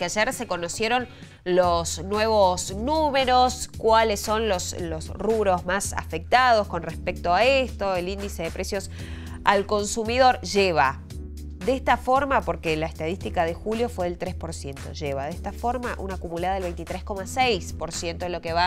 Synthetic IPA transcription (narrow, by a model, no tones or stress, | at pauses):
keaʒeɾseko̞nosjeɾo̞n | losnwe̞β̞osnume̞ɾo̞skwalesːo̞nloslosruβɾo̞zmasa̰fek̚t̪að̞o̞sko̞nrespek̚t̪oaest̪o̞elind̪ise̞ðepɾesjo̞s | alko̞nsumiðo̞ɾʒeβ̞a | ðest̪afo̞ɾmapo̞ɾkelaest̪að̞ist̪ikað̞exuljo̞fwe̞ðelt̪ɾespo̞ɾsje̞nt̪o̞̰ʒeβaðest̪afo̞ɾmaʔṵnaːkumulaðaðelβejnt̪it̪ɾesko̞masejspo̞ɾsjent̪olo̞keβa